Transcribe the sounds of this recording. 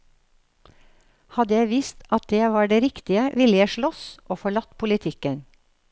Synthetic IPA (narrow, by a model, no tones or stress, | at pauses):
hɑd̪əjæɪʋiːst̪ɑt̪̚d̪eːʋɑːɖeːɾɪkt̪ɪəʋɪljæʃɭɔsʔoːfɔɭɑt̪pʰʊlɪt̪ʰɪkən